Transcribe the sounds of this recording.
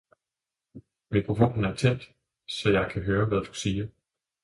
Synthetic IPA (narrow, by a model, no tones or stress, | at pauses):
mikʰʁofo̝n̰n̩æɐt͡sʰen̰d̥ | sɒ̽jɑ̈ɪkʰæɦøːɐʋæðˠd̥u̥siːɐ